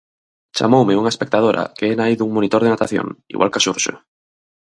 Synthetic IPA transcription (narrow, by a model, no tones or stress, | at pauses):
t͡ʃa̰mowmeuŋaespek̚t̪að̞oɾʔa̰keenaiðuŋmonit̪oɾð̞enat̪aθjo̰ŋḭɣwʔalkasuɾʃo̰